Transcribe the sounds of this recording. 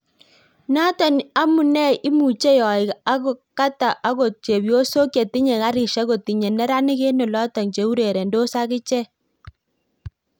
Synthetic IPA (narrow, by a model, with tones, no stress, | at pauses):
na˦ta˨na˦mu˨nɛ˦i˦mu˨t͡ʃe˦jɔ˨ɪ˨ka˦ɣo˨ka˦ta˨ʔa˦ɣo˨t͡ʃe˨bjo˦so˦kje˨ti˦ɲe˨ka˦ɾi˨ʃa˦ɣo˨ti˨ɲɛ˨nɛ˦ɾa˦ni˦ɣe˦nɔ˨lɔ˦ta˨ŋt͡ʃe˨u˦ɾe˨ɾe˨ndo˦sa˦ɣɪ˦t͡ʃɛ˦